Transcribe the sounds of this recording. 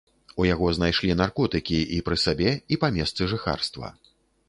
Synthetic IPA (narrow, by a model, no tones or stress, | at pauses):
ujaɣɔznajʂlʲinarkɔt̪ɨkʲiipɾɨsabʲɛipamʲɛst̪sɨʐɨxa̰rst̪vɐ̰